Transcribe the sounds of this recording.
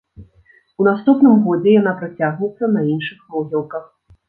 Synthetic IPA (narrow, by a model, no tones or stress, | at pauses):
unast̪upnɨmɣɔd͡zʲɛjan̪apɾat͡sʲaɣnʲɛt̪sːɐnɐinʂɨxnɔɣʲɛlˠkɐx